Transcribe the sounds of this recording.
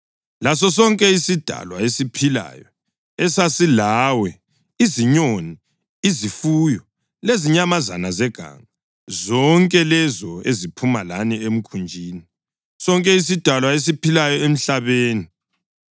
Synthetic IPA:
lasɔs̬ɔŋkʼɛisid̥ʱa̰lwa̰esipʰila̰jɔ | ɛsasilaːwɛ | iziɲoni | izifuːjɔ | leziɲamaza̰nazɛɡ̥ʱa̰ŋa | zɔŋkʼɛlɛzɔezipʰumalaniem̩kʰund͡ʒʱiːni | sɔŋkʼɛis̬id̥ʱalwaes̬ipʰilajɔem̩ɬaβeːni

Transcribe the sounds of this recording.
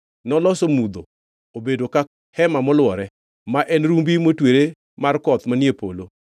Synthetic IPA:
nɔlɔsomud̪o | obedoka | hɛmamɔlwɔɾɛ | maʔɛnɾumbimotweɾe | markɔt̪manjepo̰lo

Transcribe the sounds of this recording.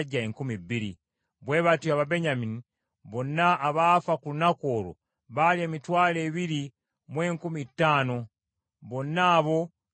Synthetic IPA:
ɟːaeŋkumibiɾḭ | βwe̞ːβatuaβabe̞ɲamini | βo̞nːaːβaːfakulunako̞ːlo̰ | βaljeːmitwaːleːβiɾi | mwe̞ːŋkumitːaːno̞ | βo̞naːβo̞

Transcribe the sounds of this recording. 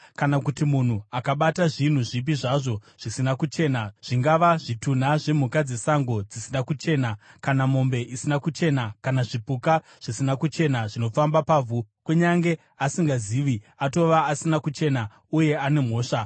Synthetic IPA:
kanakutimun̤uakaɓataʐin̤uʐip̬iʐaʐo̞ʐ̥isinakut͡ʃe̞ːnaʐ̥iŋɡaʋaʐitun̤aʐe̞m̤ukad͡ze̞saŋɡo̞d͡zisinakut͡ʃe̞ːnakanamo̞mbe̞ʔisinakut͡ʃe̞nakanaʐipuka | ʐ̥isinakut͡ʃe̞naʐino̞fambapaːvʱukuɲaŋɡe̞ | asiŋɡaziːʋi | ato̞ʋaːsinakut͡ʃe̞na | uje̞ane̞m̤o̞ːʂa

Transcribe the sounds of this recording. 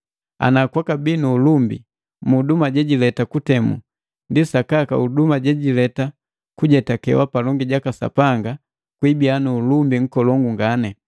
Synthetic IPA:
a̰nakwakabinuːlumbḭ | mudumaɟɛɟilɛtakutɛmṵ | ndisakakaudumaɟɛɟilɛta | kuɟɛtakɛ̰wapalɔŋɡiɟakasa̰paŋɡa | kwibianuːlumbiŋ̩kɔlɔŋɡuŋɡanɛ

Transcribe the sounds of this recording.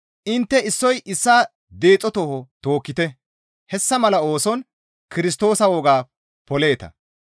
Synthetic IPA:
ʔɪnt̪ːɛɪsːɔjʔɪsːaː | d̪e̞ːt͡sʼːɔt̪ohɔt̪o̞ːkːɪt̪ɛ | hɛsːɐmɐlɐo̞ːsɔn | kɪɾɪs̬t̪o̞ːsɐwɔːɡaː | pɔle̞ːt̪ɐ̰

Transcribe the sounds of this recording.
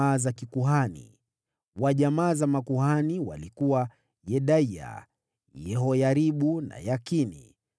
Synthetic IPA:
aːzakikuɦanḭ | waʄamaːzamakuhaniwa̰likuwa | jɛɗaia̰ | jɛɦɔjaɾiɓuna̰jakinḭ

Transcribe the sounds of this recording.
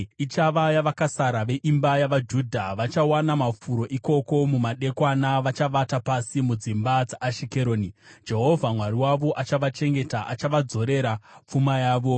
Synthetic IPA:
it͡ʃaʋajaʋakasaɾaʋe̞ʔimbajaʋad͡ʒuːdʱaʋat͡ʃawanamafuɾo̞ʔiko̞ko̞mumaɗe̞kwanaʋat͡ʃaʋatapasimud͡zimbad͡zaʔːʃike̞ɾo̞ːnid͡ʒe̞ɦo̞vʱamwaɾiwaʋo̞ʔat͡ʃaʋat͡ʃe̞ŋɡe̞taʔat͡ʃaʋad͡zo̞ɾe̞ɾap͡fumajaːʋo̞

